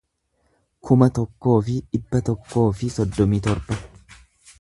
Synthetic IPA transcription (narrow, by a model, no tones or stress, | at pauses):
kʰʊmɐt̪ɔkːo̞ːfɪᶑɪbːɐt̪ɔkːo̞ːfɪsɔd̪ːɔmiːt̪ɔɾbɐ